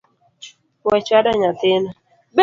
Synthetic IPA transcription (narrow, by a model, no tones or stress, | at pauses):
wɛt͡ʃadaɲatɪna | b